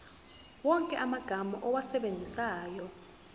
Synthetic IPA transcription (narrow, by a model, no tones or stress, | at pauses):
wɔŋkʼɛʔamaɡ̥ʱamɔʔɔwasɛɓend͡zʱisaːjɔ